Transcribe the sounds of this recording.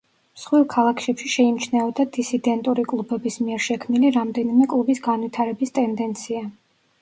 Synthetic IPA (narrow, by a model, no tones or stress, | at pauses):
msχwilˠkʰalˠakʰʃɛpʃiʃɛimt͡ʃʰnɛɔd̪ad̪isid̪ɛnt̪ʼuɾikʼlˠubɛbismiɛɾʃɛkʰmniliɾamd̪ɛnimɛkʼlˠubisɡanwit̪ʰaɾɛbist̪ʼɛnd̪ɛnt̪sʰia